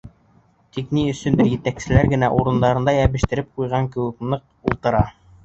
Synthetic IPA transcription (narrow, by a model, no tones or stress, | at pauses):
t̪ikniɵ̆sɵ̆nd̪ɘɾjɘ̆t̪æksɘ̆læɾɡɘ̆næʔuɾɤ̆nd̪ɑɾɤ̆nd̪ɑjæβɘ̆ʃt̪ɘ̆ɾɘp̚qujʁɑŋkɘ̆wɘ̆knɤq̚ | ulˠt̪ɤ̆ɾɑ